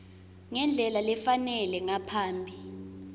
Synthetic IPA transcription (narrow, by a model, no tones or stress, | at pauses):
ŋɛnd͡ɮʱɛlalɛfanɛlɛŋapʰaːmbʱi